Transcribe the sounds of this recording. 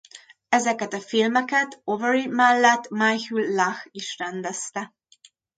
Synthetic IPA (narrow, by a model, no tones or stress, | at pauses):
ɛzɛkɛt̪ɒfilmɛkɛt̪ovɛɾimɛlːɛt̪majhylːaxiʃrɛnd̪ɛst̪ɛ